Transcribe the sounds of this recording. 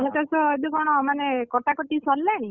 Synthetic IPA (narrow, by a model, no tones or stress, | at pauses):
ɦut̪asɔed̪ukɔɽ̃ɔmanekɔʈakɔʈisɔlːaɽ̃ĩ